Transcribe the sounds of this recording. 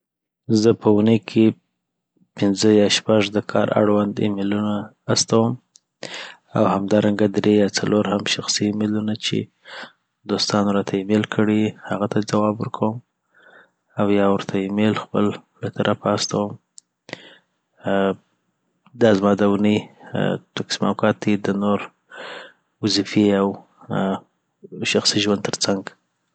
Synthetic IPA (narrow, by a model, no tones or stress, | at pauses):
zəpʰəunəjkʰe | pɪnzəjɑʃpaʐd̪əkʰɑ̰ɾʔa̰ɽwand̪ḛmelunaː | st̪awəm | a̰whamd̪ɑɾaŋɡad̪ɾejɑt͡saloɾhamʃaxsiːmelunat͡ʃḛ | d̪ost̪ɑnoɾɑt̪ʰaimelkʰəɽehaɣat̪ʰad͡zawɑbwəɾkʰawəm | awjɑwəɾt̪ʰaimelxpə̰l | lat̪aɾʔapːst̪awəm | d̪ɑzmɑd̪awunəjt̪aksima̰kɑt̪̚d̪id̪ənoɾ | wazifiaw | ʃaxsiʒwant̪əɾt͡saŋɡ